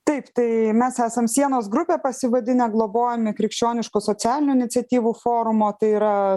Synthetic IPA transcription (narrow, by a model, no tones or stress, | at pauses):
t̪ɐɪpt̪ɐɪmʲɛsæːsɐmsʲiɛnoːs̬ɡɾʊpʲeːpɐsʲɪʋɐd̪ʲɪnʲɛɡlˠoːboːjɛmʲɪkɾʲɪkʃʲt͡ʃʲoːnʲɪʃkʊsoːt͡s̪ʲæːlʲɪnʲuːɪnʲɪt̪sʲɛt̪ʲiːʋuːfoːɾʊmoːt̪ɐɪiːɾɐ